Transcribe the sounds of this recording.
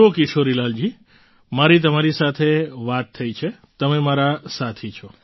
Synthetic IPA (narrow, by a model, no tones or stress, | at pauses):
okiʃoɾilald͡ʒi | maɾit̪̬əmaɾisat̪ʰeʋat̪ʰːəit͡ʃʰe | t̪əmemaɾasat̪ʰit͡ʃʰɔ